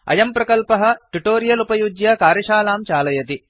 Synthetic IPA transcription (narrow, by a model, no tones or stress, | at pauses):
ɐ̰jɐmpɾɐkɐlpɐɦɐ̆ʈuʈoːɾijɐlupɐjud͡ʒjɐkaːɾjɐʃaːlaːmt͡ʃaːlɐjɐt̪i